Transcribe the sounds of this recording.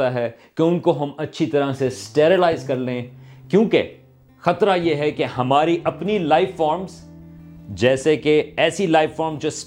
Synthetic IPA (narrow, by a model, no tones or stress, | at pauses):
aɦɛː | keʊ̃nkoɦɐmɐtːʃʰit̪ɐɾasesʈeːɾɪlaːɪzkɐɾleẽkjõːke | xɐt̪ɾajeɦɛkehɐmaːɾiʔɐpnilaːɪffːɔːɾmz | d͡ʒɛːsekeɛːsilaːɪʋfɔːɾmzd͡ʒoːs